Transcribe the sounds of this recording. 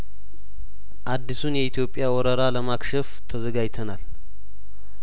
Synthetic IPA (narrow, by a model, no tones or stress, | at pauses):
ʔad̪ːisunjɛit̪ʰjo̞pʼːjawɔɾəɾaləmakʃɛft̪ʰəzəɡajt̪ʰənal